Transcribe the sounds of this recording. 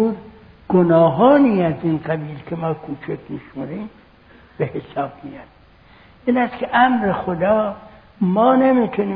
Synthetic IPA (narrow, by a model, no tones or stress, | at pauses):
uːd̪ | ɡ̥onɒːɦɒːniːæziːnɢæbiːlkʰemɒːkʰuːt͡ʃʰekʲmiʃmoɾiːm | b̥ehesɒːb̥mijɑd̪ | ʔiːnæskʲʰeʔæmɾe̞xod̪ɒː | mɒːnemit̪ʰuniː